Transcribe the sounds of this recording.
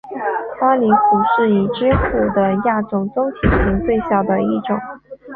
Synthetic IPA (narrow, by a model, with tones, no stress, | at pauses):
pa˥li˧˥fu˨˩ʂɻ̩˥˩i˨˩ʈ͡ʂi˥xu˥˩d̪ə˦ja˥˩t͡sʊ˨˩ŋt͡sʊ˥ŋt̪ʰi˨˩ɕʰi˧˥ŋt͡swe˥˧ɪɕjɑ˨˩ʊd̪ə˦i˥˩ʈ͡ʂʊ̰˨˩˦